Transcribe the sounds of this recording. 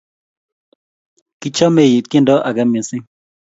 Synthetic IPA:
kɪ˦t͡ʃɔ˦me˨ji˨t̪̚kɪ˦ndɔ˦ʔa˨ɡɛ˦mi˨sɪ˦

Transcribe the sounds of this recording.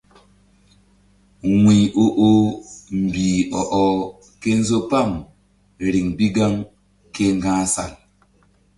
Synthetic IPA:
wʷi˨o˦ʔo˦m̩˨biː˨ɔ˨ʔɔ˨ | ke˦n̩˦zo˦pa˦˨m | ɾi˨ŋbi˦ɡa˦ŋ | ke˦ŋ˦ɡãː˦sa̰˨l

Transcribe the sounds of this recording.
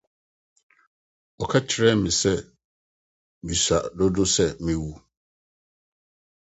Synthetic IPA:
ɔ˨kʰa˦t͡ɕʰɪ˨ɾɛ˦mɪ̃˨sɛ˦ | mi˨sa˨dɔ˦dʊ˦sɛ˦mɪ̃˦wu˦

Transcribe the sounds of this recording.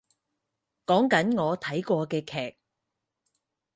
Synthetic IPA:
kɔː˨˥ŋkɐ˨˥nŋɔː˨˧t̪ʰɐ˨˥jkɔː˧kɛː˧kʰɛː˨˩k̚

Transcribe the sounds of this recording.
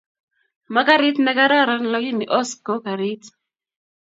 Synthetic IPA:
ma˦ka˦ɾɪ˦tnɛ˦ka˦ɾa˦ɾa˦nlɔ˦ɡi˦ni˨ʔɔ˦skɔ˦ka˨ɾɪ˦t

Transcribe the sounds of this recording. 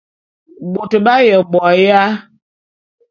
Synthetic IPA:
bo˨tə˨ɓa˦jɛ˨bɔ˨ja˦

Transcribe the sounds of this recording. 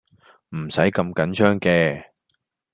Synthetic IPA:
m̩˨˩sɐ˨˥jkɐ˧mkɐ˨˥nt͡ʃʰœː˥ŋkɛː˧

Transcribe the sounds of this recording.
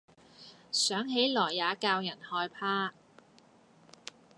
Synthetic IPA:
sœː˨˥ŋɦe˨˥jlɔː˨˩jːaː˨˧kaː˧wjɐ˨˩nhɔː˧jpʰaː˥

